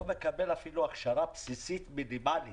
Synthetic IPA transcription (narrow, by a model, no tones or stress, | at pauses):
mekabelafiluaχʃaɾapsisit̪milimal